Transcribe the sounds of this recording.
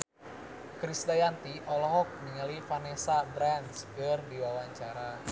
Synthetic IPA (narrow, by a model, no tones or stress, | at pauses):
kɾisdajant̪iʔɔlɔɦɔk̚miŋəlifanɛsabɾanskərdiwawaɲt͡ʃaɾa